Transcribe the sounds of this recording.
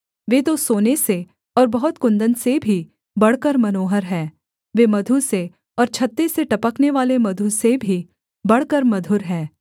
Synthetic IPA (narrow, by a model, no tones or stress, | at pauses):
ʋeːt̪osoːnese | ɔːɾbɐɦʊt̪kʊ̃nd̪ənsebʱi | bɐɽkəɾmɐnoːɦəɾɦɛː | ʋeːmɐd̪ʱuse | ɔːɾt͡ʃʰɐt̪ːeseʈɐpəkneʋaːlemɐd̪ʱusebʱi | bɐɽ̤kəɾmɐd̪ʱʊɾɦɛː